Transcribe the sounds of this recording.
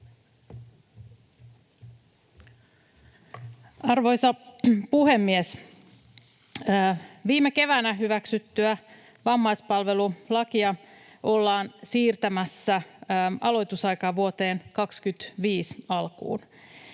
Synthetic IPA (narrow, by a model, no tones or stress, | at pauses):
ɑrʋo̞jsɑpuhemːies | ʋiːmeke̞ʋæːnæɦyʋæksyt̪ːyæ | ʋɑmːɑjspɑlʋe̞lulɑkiɑ | ʔo̞lːɑːnsiːrt̪æmæsːæʔɑlo̞jt̪usɑjkɑːʋuot̪e̞ːnkɑkskyt̪ʋiːsɑlkṵːn